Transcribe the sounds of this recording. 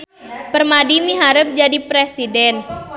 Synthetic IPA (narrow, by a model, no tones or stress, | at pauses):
pərmadimiɦaɾəp̚d͡ʒadipɾesidɛn